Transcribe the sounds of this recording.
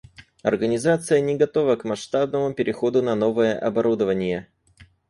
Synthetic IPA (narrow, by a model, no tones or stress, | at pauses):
ɐ̰rɡənʲɪzat̪sɨjənʲɪɡɐt̪o̞vəkmɐʂt̪ab̚nəmʊpʲɪɾʲɪxo̞d̪ʊnɐno̞vəjəʔɐbɐɾud̪əvənʲɪjə